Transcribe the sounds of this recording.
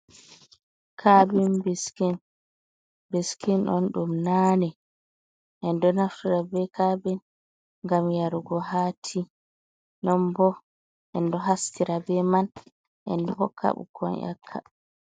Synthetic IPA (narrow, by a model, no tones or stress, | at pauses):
kʰabinbɛskin | beskinɗɔ̰nɗumnanɛ | ʔɛndɔnaftiɾabɛkabɛn | ŋɡamjaɾuɡɔɦatʰi | nɔmbɔ | ʔɛndɔɦastiɾabɛman | ʔɛ̰ndɔhɔkʰːa̰ɓṵkʰɔ̰nʔa̰kʰːa̰